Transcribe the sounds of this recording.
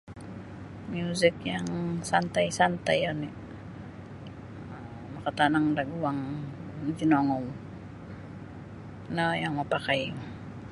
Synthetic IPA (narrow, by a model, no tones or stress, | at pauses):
mjuzɪkjaŋsant̪ajsant̪ajani | makat̪anaŋdaɡuaŋ | t̪inɔŋɔm | najaŋmapakaj